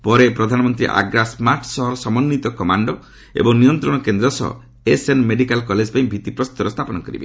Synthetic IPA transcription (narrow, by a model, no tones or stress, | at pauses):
pɔɾepɾɔd̪ʱanɔmɔnt̪ɾḭʔa̰ɡɾasmaɾʈsɔɦɔɾɔsɔmɔnːit̪ɔkɔmaɳɖɔ | ḛbɔŋnijɔnt̪ɾɔɽ̃ɔkend̪ɾɔsɔ̰ɦɔ̰ | esenmeɖikalkɔled͡ʒpaĩbʱit̪ipɾɔst̪ɔɾɔst̪ʰapɔnɔkɔɾḭbe